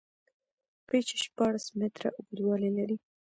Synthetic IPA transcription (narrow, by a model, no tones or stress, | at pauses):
pet͡ʃe̥ʃpɑɽasmɪt̪ɾa̰ʊbed̪wɑlelaɾi